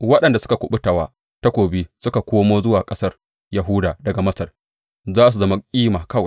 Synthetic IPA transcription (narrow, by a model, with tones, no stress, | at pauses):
wɐ˦ɗɐ˨nda˨sʊ˦ka˨kʷʊ˨ɓʊ˦ta˨waː˦ | ta˦kʷoː˨bi˦sʊ˦ka˨kʷoː˦moː˦zʊ˦waː˨kʼɐ˦sɐ˦r | ja˨ɦʊ˦daː˨dɐ˨ɡa˨mɐ˦sɐ˨r | zaː˦˨s̬u˨zɐ˦ma˦kʲʼiː˦maː˨kɐ˦wa˨